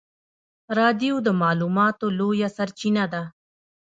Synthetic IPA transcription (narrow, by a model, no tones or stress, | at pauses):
ɾɑːd̪ijod̪əmɑːluːmɑt̪olojasaɾt͡ʃinad̪a